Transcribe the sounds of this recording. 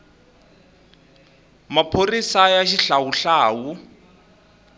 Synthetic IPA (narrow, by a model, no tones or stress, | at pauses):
mapʰorisajaʃiɬawuɬaːwu